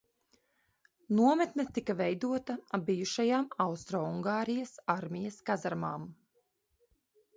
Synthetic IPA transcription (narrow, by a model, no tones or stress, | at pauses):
nuɔmɛt̪nɛt̪ikavɛjd̪uɔt̪aabijuʃajaːmawst̪ɾɔːuŋɡaːɾijɐsaɾmʲijɐskazaɾmaːm